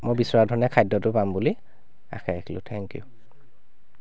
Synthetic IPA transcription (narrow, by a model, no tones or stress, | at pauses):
mojbisɔɹadʱɔnɛkʰajdːɔtʊpambuli | a̰xʰɛekʰilʊ̰tʰɛŋkijʊ̰